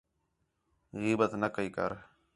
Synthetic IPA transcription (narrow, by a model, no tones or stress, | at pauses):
ɣiːbət̪nəkəiːkə̰ɾ